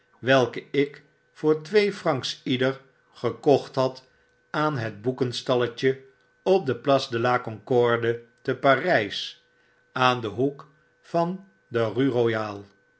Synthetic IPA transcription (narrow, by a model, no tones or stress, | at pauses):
ʋɛlˠkəɪk | fʊːɹtʋejfrɑŋksidəɹ | χəkɔχtɦɑt | aːnɦəd̚bukənstɑləcə | ɔp̚dəplɑsdəlaːkɔŋkɔɹdətəpaːrɛjs | aːndəɦuk | fɑn | dəryrojaːlˠ